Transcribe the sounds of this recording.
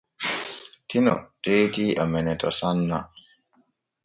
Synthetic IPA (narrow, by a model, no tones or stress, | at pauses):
tʰinɔ̰teːtiʔamɛnɛtɔsanːa